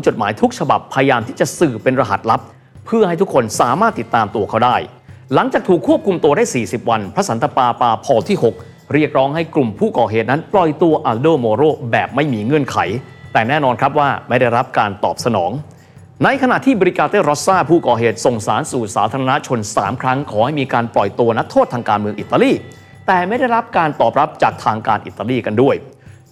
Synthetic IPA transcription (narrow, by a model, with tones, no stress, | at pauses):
t͡ɕo˨˩t̪̚maː˩˦jt̪ʰu˦˥k̚t͡ɕʰa˧ba̰˨˩pʰːa˧ja˧jaː˧mt̪iː˥˩t͡ɕa˨˩sɯː˨˩pe˧nɾa˧ɦa˨˩t̪̚la˦˥p̚ʰː | ɯ˥˩ɐha˥˩jt̪ʰu˦˥kʰːo˧nsaː˩˦maː˥˩t̪ːi˨˩t̪ːaː˧mt̪u˧ɐkʰa˥˩wdaː˥˩j | la˩˦ŋt͡ɕaː˨˩k̚t̪ʰuː˨˩kʰːu˥˩əp̚kʰu˧mt̪u˧ɐdaː˥˩jsiː˨˩si˨˩p̚wa˧npʰɾa˦˥sa˩˦nt̪a˧paː˧paː˧pʰɔː˧t̪ʰiː˥˩ho˨˩k̚ | ɾi˥˩ək̚ɾɔː˦˥ŋha˥˩jklu˨˩mpʰuː˥˩kɔː˨˩ɦeː˨˩t̪̚na˦˥nplɔ˨˩jt̪u˧ɐʔaː˧doː˥˩moː˧ɾoː˥˩bɛː˨˩p̚ma˥˩jmiː˧ŋɯ˧˥ənkʰa˩˦jt̪ɛː˨˩nɛː˥˩nɔː˧nkʰɾa˦˥p̚waː˥˩ma˥˩jda˥˩jɾa˦˥p̚kaː˧nt̪ɔː˨˩p̚sa˧nɔː˩˦ŋ | na˧jkʰa˧na˨˩t̪ʰiː˥˩bɔː˧ɾi˧˥kaː˧t̪eː˥˩ɾɔ˦˥t̚saː˥˩pʰuː˥˩kɔː˨˩ɦeː˨˩t̪̚so˨˩ŋsaː˩˦nsuː˨˩saː˩˦t̪ʰa˧ɾa˧na˦˥t͡ɕʰo˧nsa̰ː˩˦mkʰɾa˦˥ŋkʰɔː˩˦ha˥˩jmiː˧kaː˧nplɔ˨˩jt̪u˧ɐna˦˥t̪ʰːoː˥˩t̪ʰaː˧ŋkaː˧nmɯ˧əŋʔi˨˩t̪ːaː˧liː˥˩ | t̪ɛː˨˩ma˥˩jda˥˩jɾa˦˥p̚kaː˧nt̪ɔː˨˩p̚ɾa˦˥p̚t͡ɕaː˨˩k̚t̪ʰaː˧ŋkaː˧nʔḭ˨˩t̪ːaː˧liː˥˩ka˧ndu˥˩əj